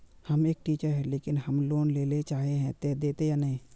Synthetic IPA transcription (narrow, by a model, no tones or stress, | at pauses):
hɐmeːk̚ʈiːt͡ʃəɾɦɛleːkɪnhɐmloːnleːlet͡ʃaːɦeɦɛ̃t̪ɛːd̪eːt̪ejanɐɦĩ